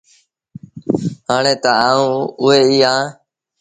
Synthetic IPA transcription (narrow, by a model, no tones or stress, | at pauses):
ɦaːɳeːt̪əaːũːʊɦeːiːãː